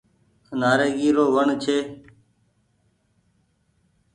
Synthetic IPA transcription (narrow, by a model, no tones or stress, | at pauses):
naːɾeːɡiːɾoːʋəɳt͡ʃʰeː